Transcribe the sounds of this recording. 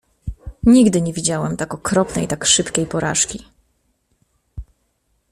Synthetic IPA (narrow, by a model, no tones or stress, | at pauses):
ɲiɡd̪ɘɲɛvʲid͡ʑawɛmt̪akɔkɾɔpnɛ̰jt̪akʂɘpkʲejpɔɾa̰ʂkʲi